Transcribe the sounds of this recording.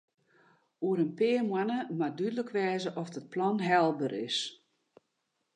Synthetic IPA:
uəɾənpɪːərmwanəmadydələkʋɛːzəʔɔfdət̚plɔnɦɛlˠbəɾɪ̰s

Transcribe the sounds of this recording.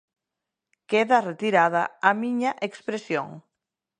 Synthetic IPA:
keðaret̪iɾað̞a̰amiɲaʔekspɾesjo̰ŋ

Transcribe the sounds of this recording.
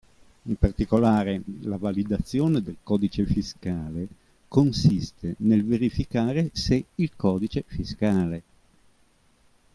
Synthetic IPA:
impart̪ikolaːɾelavalid̪at̪sːjoːned̪elkɔːd̪it͡ʃefiskaːle | konsist̪enelveɾifikaːɾeseilkɔːd̪it͡ʃefiskaːle

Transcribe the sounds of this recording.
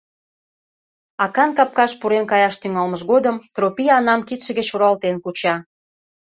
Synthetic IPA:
ɑkɑnkɑp̚kɑʃpuɾenkɑjɑʃt̪yŋɑlməʃɣod̪əmt̪ɾopiɑnɑmkit̪ʃə̆ɣət͡ɕuɾɑlt̪enkut͡ɕɑ

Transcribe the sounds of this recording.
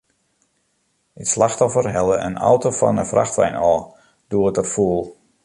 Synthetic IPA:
əslaxtɔfərɦɛlˠəʔə̰nɔ̰wtofɔ̰nəfrʔa̰xtʋɛ̰jnɔː | d̥uəətərfuəlˠ

